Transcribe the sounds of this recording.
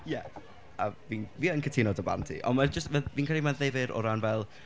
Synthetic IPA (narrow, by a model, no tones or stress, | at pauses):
jɛ | aviːnviːənkʰətʰɪnɔdəba̰ntʰḭʔɔ̰nmad͡ʒəstvɛviːnkʰɛlimaðevɪɾʔɔ̰ɾanvɛlˠ